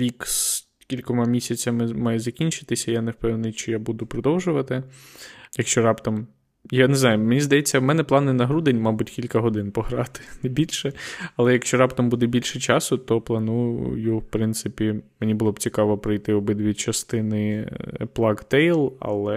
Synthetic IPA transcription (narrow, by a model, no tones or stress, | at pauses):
iks | kʲilʲkɔmɐmʲisʲɐt͡sʲɐmɪmɑjɛzɐkʲinʲt͡ʃɪ̥t̪ɪsʲɐjanewpɛwnɪjʃt͡ʃɔjabud̪ʊpɾɔd̪ɔwʒʊʋɐt̪ɪ | jɐkʃt͡ʃɔɾɑpt̪ɔm | janɛznɑjʊmenʲizd̪ɐjet͡sʲːɐwmɛnɛplˠɑnɪnɐɦɾud̪enʲmɑbʊtʲkʲilʲkɐɦɔd̪ɪnpɔɦɾɑt̪ɪ̥nɛbʲilʲʃɛɐlˠɛjɐkʃt͡ʃɔɾɑpt̪ɔmbud̪ɛbʲilʲʃɛt͡ʃɑsʊt̪ɔplˠɐnujʊ̰jʊwpɾɪnt̪sɪpʲimenʲibʊlˠɔbt͡sʲikɑʋɔpɾɪjt̪ɪɔbɪd̪ʋʲid̪t͡ʃɐst̪ɪnɪplˠɑɡt̪ɛjlˠɐ̰lˠɛ